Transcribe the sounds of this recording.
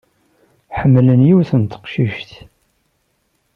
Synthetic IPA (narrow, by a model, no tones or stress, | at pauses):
ħəmːlənjiwθənt̪ə̥qʃiʃt̪